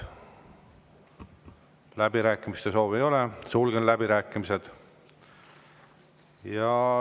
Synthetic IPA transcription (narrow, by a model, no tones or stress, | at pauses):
læbiɾæːkːˑimist̪e̞so̞ːvejo̞lesulɡ̥enlæbiɾæːkˑːimise̞d̪̥ | jɑ